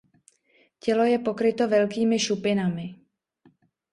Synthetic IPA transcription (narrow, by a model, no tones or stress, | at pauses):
cɛlo̞jɛpo̞kɾɪt̪o̞vɛlkiːmɪʃupɪnamɪ